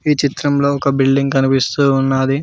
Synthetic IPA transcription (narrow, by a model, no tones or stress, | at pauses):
iːt͡ʃit̪ɾɐmlo̞ːɔkɐbilɖiŋɡkɐnipist̪uːnːaːd̪i